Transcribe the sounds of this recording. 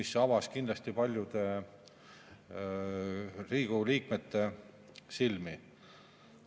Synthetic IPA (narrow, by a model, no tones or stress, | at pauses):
isɑvɑskind̪lɑst̪ipɑlʲjud̪̥e̞ | riːɡ̥uliːkmet̪ːe̞ | silmi